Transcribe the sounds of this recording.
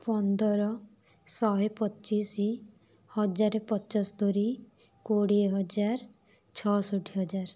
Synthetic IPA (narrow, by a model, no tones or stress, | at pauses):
pɔnd̪ɔɾɔ | sɔɦepɔtːt͡ʃisi | hɔd͡ʒaɾepɔt͡ʃɔsd̪oɾi | koɽiɦɔd͡ʒaɾ | t͡ʃʰɔsoʈʰiɦɔd͡ʒaɾ